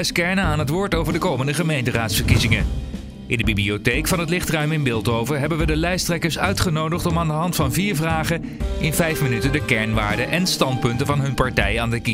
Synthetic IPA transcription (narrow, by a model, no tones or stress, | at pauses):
ɛskɛɹnənaːnɦətʋʊːɹtowvəɹdəkowməndəχəmejntəraːtsfəɹkizɪŋə | ʔɪndəbibliotejkfɑnɦətlɪχtrœɥmɪnbɪːlˠtowvəɹɦɛbənʋədəlɛjstrɛkəɹsœɥtχənowdəχtɔmaːndəɦɑntfɑnviːɹvraːχə | ʔɪnvɛjfmənytəndəkɛɹnʋaːɹdəʔɛnstɑnt̚pɵntəvɑnɦɵnpɑɹtɛjaːndəki